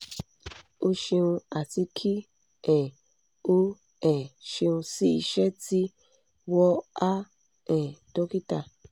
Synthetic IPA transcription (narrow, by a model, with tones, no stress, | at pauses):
o˦ʃe˧ũ˧a˨ti˧kʰi˦ | ɛ̃˨ | o˦ | ɛ̃˨ʃe˧ũ˧si˦i˧ʃɛ˦ti˦ | wɔ˦a˦ | ɛ̃˨do˦ki˦ta˦˨